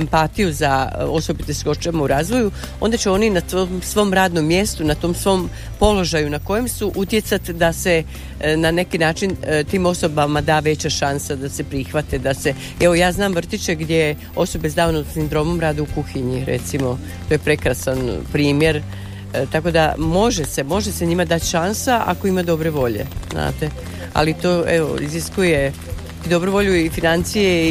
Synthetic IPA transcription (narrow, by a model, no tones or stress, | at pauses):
empat̪ijuzaoso̞bit̪esko̞t͡ʃamauɾaːzʋo̞ju | o̞̰nd̪at͡ɕeo̞ninaomsʋo̞ːmɾaːd̪no̞mːje̞st̪unat̪o̞ːmsʋo̞ːm | po̞lo̞ʒajunako̞je̞msuʔut̪je̞t̪sat̪d̪ase̞ | nane̞kinaːt͡ʃint̪iːmo̞so̞bamad̪aːʋe̞t͡ɕaʃansad̪ase̞pɾixʋat̪ed̪ase̞ | ɛʋo̞jaːznaːmʋr̩t̪it͡ɕeɡd̪ʲje | o̞so̞be̞zd̪aːonosind̪ɾo̞mo̞mɾaːd̪eukuxiɲiɾḛt̪simo̞ | t̪o̞jepɾe̞kɾasanpɾiːmje̞ɾ | t̪ako̞d̪amo̞ʒese̞mo̞ʒe̞seɲimad̪at̪ʃansaʔa̰ko̞imad̪o̞bɾeʋo̞ʎḛzna̰ːt̪e̞ | a̰lit̪oʔeʋo̰ḭziskuje̞ | id̪o̞bɾuʋo̞ʎuifinant̪sije